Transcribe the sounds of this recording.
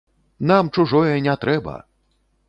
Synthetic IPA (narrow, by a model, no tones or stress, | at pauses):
n̪amt͡ʂuʐɔjɛnʲat̪ɾɛbɐ̰